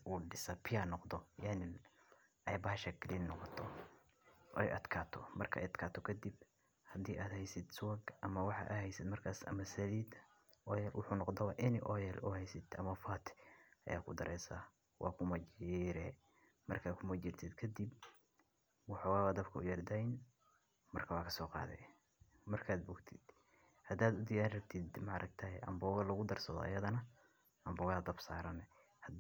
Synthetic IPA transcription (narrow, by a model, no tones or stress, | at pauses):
uːɖɪsɐpʰɪjanɔqd̪ɔjanɪl | ʔɛjbɐʃɐkʰlinːɔqɔt̪ʰɔ | ʔɛ̰jʔɐd̪kʰaːt̪ʰɔmɐrkʰɐʔɛ̰jɐd̪kʰaːt̪ʰɔkʰɐd̪ib | hɐd̪iːʔaːd̪hɛjsɪd̪sʊwɐɡʔɐmɐwɑħɑ̰ʔɐhɛjsɪd̪mɐrkʰaːsɐ̰mɐsɐliːd̪ | ɔjɛlwʊ̰ħuːnɔqd̪ɐwaʔɪnɪʔɔjɛlʔuhɛjsɪd̪ɐmɐfaːt̪ʰɪ̥ʔɐ̰ja̰ːkʰʊd̪ɐɾʔɛːsa | wʔɑ̰ːkʰʊmɐt͡ʃiɪɾɛ | mɐrkʰaːd̪kʰʊmɐt͡ʃɪrt̪ʰɪd̪kʰɐd̪ib | wɑħɔɣaːβɐd̪ɐbkʰɐʊjɐrd̪ɐn | mɐrkʰɐwɑːkʰɐsɔːqɑ̰ːðɛ̰ | mɐrkʰaːd̪̚bʊɡt̪ʰɪd̪̥ | hɐd̪aːd̪ʊd̪ɪjaːrɐb̚t̪ʰɪd̪mɐɾʔɐk̚t̪ʰɐhɛʔɐ̰mbɔːɣɐlɐɣʊd̪ɐrsɐðɔ̰ʔɐ̰jɐðɐnɐ | ʔɐmbɔːɣɐɐd̪ɐbsaːɾɐnɛ | hɐd̪